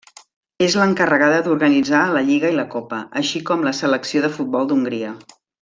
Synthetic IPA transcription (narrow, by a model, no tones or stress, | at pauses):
ezləŋkərəɣaðəd̪uɾɣənid͡zaləʎiɣəiləkopəəʃikɔmləsələksioðəfut̪̚bɔlˠd̪uŋɡɾiə